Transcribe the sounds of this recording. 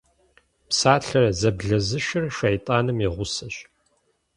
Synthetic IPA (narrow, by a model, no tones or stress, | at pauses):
psaːɬɐrɐzɐbɮɐzɨʃɪrʃɐjtʼaːnɨmiʁʷʊsɐɕ